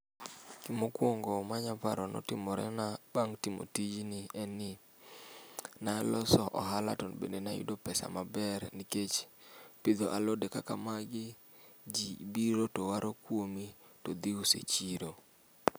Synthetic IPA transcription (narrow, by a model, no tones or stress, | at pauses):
kimokwoŋɡɔmaɲapa̰ɾɔnʔɔ̰tɪmɔɾɛ̰nab̥aŋtimo̰tid͡ʒnɪɛnɪ | naɛlɔsɔʔɔɦala̰tɔnbḛndenajṵdopɛsa̰mabɛɾniket͡ʃpid̪oʔalodekakamaɡɪ | d͡ʒibiɾotowaɾokwomitod̪iusḛt͡ʃiɾo